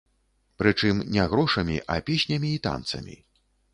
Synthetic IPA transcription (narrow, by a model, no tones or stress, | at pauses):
pɾɨt͡ʂɨmnʲɛɣɾɔʂɐmʲḭʔɐ̰pʲesʲnʲɐmʲiːt̪a̰nt̪sɐ̰mʲḭ